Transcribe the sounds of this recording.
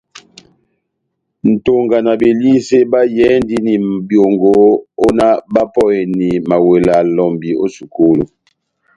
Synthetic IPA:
n̩˨to˦ŋɡa˨na˨be˨li˦se˦ba˦jɛ˦n˦di˦ni˨bjo˨ŋɡo˨˦o˦na˦ba˦pɔ˦˨ni˨ma˨we˨la˨lɔ˨mbi˨o̰˦su˨ko˦lo̰˨

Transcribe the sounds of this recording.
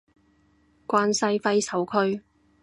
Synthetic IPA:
kʷwaː˧nsɐ˧jfɐ˧jsɐ˨˥wkʰɵ˧ɥ

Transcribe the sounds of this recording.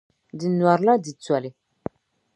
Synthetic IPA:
di˨nwa˨ɾla˦di˨t͡swa˨le˨

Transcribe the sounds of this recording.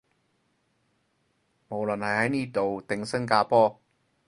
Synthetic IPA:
mo˨˩wlɵ˨nhɐ˨jhɐ˨˥jniː˥t̪o˨wt̪ɪ˨ŋsɐ˥ŋkaː˧pɔː˥

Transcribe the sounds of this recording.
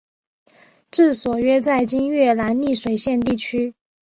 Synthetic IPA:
ʈ͡ʂɻ̩˥˩swɔ˨˩ɥɛ˥t͡sa˥˩ɪt͡ɕi˥nɥɛ˥˩la˧˥nli˥˩ʂwe˨˩ɪɕjɛ˥˧nt̪i˥˩t͡ɕʰy˥

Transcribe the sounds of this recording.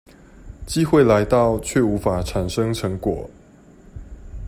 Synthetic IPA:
t͡ɕi˥xwe˥˨ɪla˧˦ɪt̪ɑ˥˨ʊt͡ɕʰɥɛ˥˨u˨˥fa˨˩ʈ͡ʂʰa˨˩nʂɤ˦ŋʈ͡ʂʰɤ˧˥ŋkwɔ˨˩˦

